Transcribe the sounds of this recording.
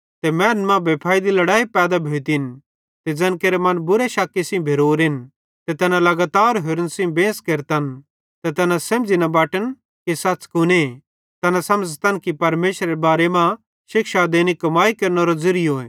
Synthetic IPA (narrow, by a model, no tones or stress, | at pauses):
t̪emɛːnmãbɐpʰaːid̪ilɐɽaːipɛːd̪abʱeːt̪in | t̪ed͡zɐ̃nkeːɾemɐnbʊɾeʃɐkːisɪ̃bʱeɾoːɾɦɪn | t̪et̪ɛnãlɐɡaːt̪aːɾɦeɾənsɪ̃bẽːskeɾt̪ɐn | t̪ɛt̪ɛːnãsɐ̃md͡zinɐbaːʈən | kisɐtːt͡skʊne | t̪ɛːnasɐməd͡zt̪ɐnkipɐɾmeːʃɾeebaːɾemã | ʃɪkʃad̪eːnikɐmaːikɐɾnoɾozʊɾɪjoẽː